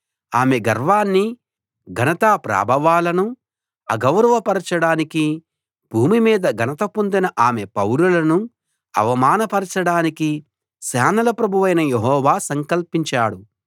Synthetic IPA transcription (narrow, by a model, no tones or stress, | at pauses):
aːmeɡɐɾʋaːnːi | ɡʱɐnɐt̪aːpɾa̰ːbʱɐʋaːlɐnu | ɐɡɐwɾɐʋɐpɐɾɐt͡ʃɐɽaːniki | b̥ʱuːmimiːd̪ɐɡʱɐnɐt̪ɐpond̪inɐʔaːmepɐwɾulɐnu | ɐ̰ʋɐmaːnɐpɐɾɐt͡ʃɐɽaːniki | ʃaːnɐlɐpɾɐbʱuʋɐjnɐjeɦɔːʋaːsɐŋkɐlpiɲt͡ʃaːɽu